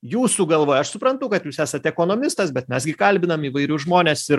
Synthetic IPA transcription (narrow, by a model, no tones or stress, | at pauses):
juːsuːɡɐlˠʋoːjɐʃsʊpɾɐnt̪ʊkɐt̪juːsæːsɐt̪ʲɛkoːnoːmʲɪst̪ɐsbʲɛt̪mʲɛsɡʲɪkɐlʲbʲɪnɐmiːʋɐɪɾʲʊʒmoːnʲeːsɪɾ